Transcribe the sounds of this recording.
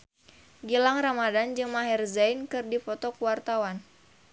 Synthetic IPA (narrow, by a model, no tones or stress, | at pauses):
ɡilaŋramadand͡ʒɨŋmaɦɛrzajnkɨrdifɔt̪ɔkuwart̪awan